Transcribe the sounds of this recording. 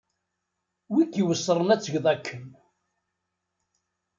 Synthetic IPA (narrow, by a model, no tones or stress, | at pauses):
wikːiwəsːɾˤənæt͡sːəʝðˤækʰːən